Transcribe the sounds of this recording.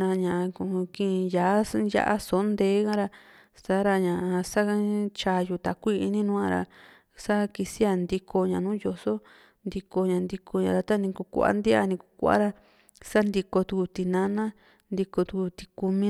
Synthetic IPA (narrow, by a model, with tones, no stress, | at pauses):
ã˧ɲã˨˧ku˨˧kĩ˦˧jaː˨˦ja̰˦ʔa̰˦so˨˦nd̪eː˨˦kã˦˧ɾa˧ | sa˦ɾa˧ɲã˨˧sa˦t͡ʃaː˧ju˧˨t̪a˨kʷi˦i˧nĩ˦nũ˦ã˧ɾa̰˧ | sa˦ki˧si˦a˧nd̪i˧kʰo˧ɲã˨nũː˦jo˧so˦ | nd̪i˧ko˧ɲã˨nd̪i˧ku˧ɲã˨˧ɾa˧t̪a˦nĩ˧ku˧kʷa̰˦nd̪i˦a̰˧nĩ˧ku˧kʷa̰˦ɾa˧ | sa˦nd̪i˧ko˧t̪u˧ku˧t̪i˧nã˧˦nã˦ | nd̪i˧ko˧t̪u˧ku˧t̪i̥˧ku˧mĩ˧